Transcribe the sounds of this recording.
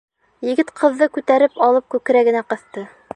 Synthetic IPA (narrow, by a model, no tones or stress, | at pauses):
jɘ̆ɡɘt̪qʰɤ̆ðːɤkʉt̪æɾɘpɑlˠɤp̚kʉkɘ̆ɾæɡɘ̆næqɤ̆θt̪ɤ